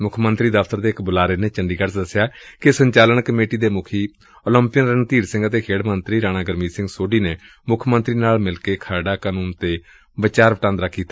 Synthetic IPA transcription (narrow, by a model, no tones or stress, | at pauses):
mʊkʰmənt̪ɾiːd̪əfʰt̪əɾd̪eːɪkbʊlaːɾeːneːt͡ʃəɳɖiːkəɾsd̪əsjaːkɪsəɲt͡ʃaːləɳkəmeːʈiːd̪eːmʊkʰiː | oːləmpijənɾənt̪iːɾsɪ̃ŋɡət̪eːkʰeːɽmənt̪ɾiːɾaːnaːɡəɾmiːsɪ̃ŋɡsoːɖiːneː | mʊkʰmə̃nt̪ɾiːnaːlmɪlkeːkʰaːɖaːkaːnuːnt̪eː | bət͡ʃaːɾʋəʈãːnd̪ɾaːkʰːiːt̪ḁː